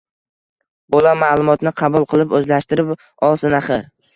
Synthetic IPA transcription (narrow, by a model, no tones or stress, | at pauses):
bolamalˠʊmɒt̪nɪqʰɑbʊlˠqʰɨlˠɪpɵzlaʃt̪ɪɾɪp | ɒlˠsɪnaχɪ